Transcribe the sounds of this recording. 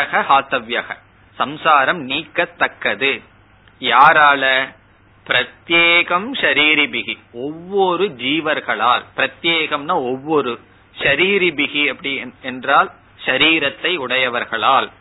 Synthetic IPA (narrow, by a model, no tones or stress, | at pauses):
ɐɣɐhaːt̪ɐʋjɐɣɐ | sɐmsaːɾɐmniːkːɐt̪ːɐkːɐðɯ | jaːɾaːlɐ | pɪɾɐt̪jeːɣɐmʃɐɾiːɾibɪɣiɔʋːɔɾɯd͡ʒiːʋɐɾɣɐɭaːlpɪɾɐt̪jeːɣɐmnaːɔʋːɔɾɯ | ʃɐɾiːɾɪbɪɣiɐpːɐɽɪɛndraːl | ʃɐɾiːɾɐt̪ːɐɪʊɽɐjɐʋɐɾɣɐɭaːl